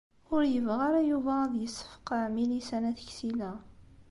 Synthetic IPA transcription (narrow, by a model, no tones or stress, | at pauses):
ʊɾjəvʁaɾajuvæðjəsːə̥fqamilisænæθə̥çsilæ